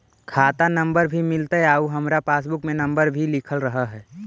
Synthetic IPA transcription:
kʰaːt̪anəmbəɾbʱimɪlt̪eɦaːuɦəmɾapaːs̬bʊkmẽnə̃mbəɾbʱilɪkʰəlɾəɦəɦɛː

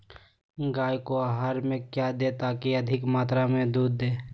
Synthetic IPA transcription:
ɡaːjkoaɦaːɾmẽkjad̪et̪aːkiɐd̪ʱɪkmaːt̪ɾamẽd̪uːd̪ːeː

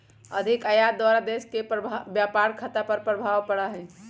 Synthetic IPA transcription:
əd̪ʱikəjad̪waɾad̪eskepɾəbjapaɾkʰət̪apəɾpɾəbʱaʋpəɽəɦɛ̃

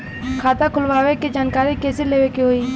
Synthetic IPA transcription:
kʰaːt̪ãkʰʊlʋaːʋeked͡ʒaːnkaːɾikeːsɪleːʋeːkeɦoːiː

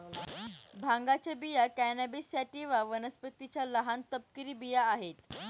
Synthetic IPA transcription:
bʱãŋɡat͡ɕebijakænabisjaʈiʋaʋənəspət̪it͡ɕjaləɦant̪əp̚kiɾiːbijaːɦet̪

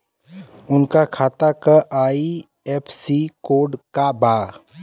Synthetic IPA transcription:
ʊnkakʰaːt̪akəʔaːi | ɛpʰsikoːɖkabaː

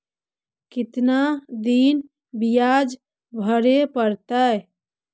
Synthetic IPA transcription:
kit̪nad̪in | bijad͡ʒ | bʱəɾepəɾt̪əj

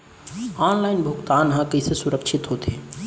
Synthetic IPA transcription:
aːnlaːɪnbʱʊɡt̪aːnɦãkəisesʊɾəkʃʰɪt̪ɦoːt̪ʰeː

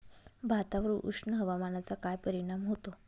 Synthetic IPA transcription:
bʱat̪aʋəɾuːʔṵʂnəɦəʋamanat͡sakajpəɾiɽ̃amɦot̪o

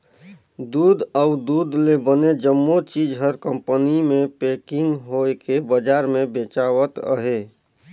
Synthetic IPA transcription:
d̪uːd̪əʊd̪uːd̪lebəned͡ʒəmːot͡ʃid͡ʒɦəɾkə̃mpənimẽpekɪ̃ŋɡɦoekebəd͡ʒaːɾmẽbet͡ʃawət̪ə̰ɦe

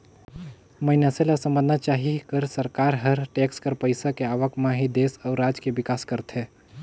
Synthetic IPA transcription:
mənaselasə̃mbə̃nd̪nat͡ʃaːɦikəɾsəɾkaːɾɦəɾʈeːkskəɾpəɪsakeaːʋəkmãɦid̪eːsɔːɾːaːd͡ʒkeʋɪkaːskəɾt̪ɦɛ̃ː

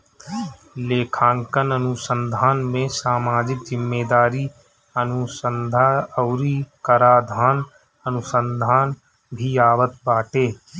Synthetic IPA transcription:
leːkʰãːŋkənənʊsə̃nd̪ʱaːnmẽsaːmaːd͡ʒɪk̚d͡ʒɪmːeːd̪aːɾi | ənʊsənd̪ʱaəʊɾikəɾaːd̪ʱaːn | ənʊsə̃nd̪ʱaːn | bʱiaːʋət̪baːʈeː

